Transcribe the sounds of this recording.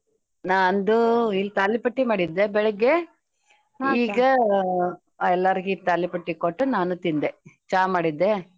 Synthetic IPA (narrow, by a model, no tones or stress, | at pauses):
naːnd̪uilːt̪aːlːipɐʈːimaːɽid̪ːebɛɭɐɡːe | iːɡɐ | aːɛlːaɾiɡit̪aːlːipɐʈːikoʈːunaːnut̪ind̪et͡ʃaːmaːɽid̪ːe